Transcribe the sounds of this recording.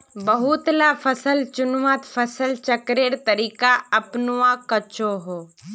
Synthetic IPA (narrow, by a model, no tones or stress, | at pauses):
bɐɦʊt̪lafʰɐsəlt͡ʃʊnʋaːt̪fʰɐsəlt͡ʃɐkɾeːɾt̪ɐɾiːkaɐpnʊʋakɐt͡ʃoɦoː